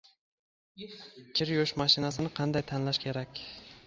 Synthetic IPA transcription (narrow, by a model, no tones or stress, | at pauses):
kʲʰɪɾjoʃmaʃɪnasɪnɪqʰɑnd̪ajt̪ʰanlaʃkʲʰe̞ɾakʲ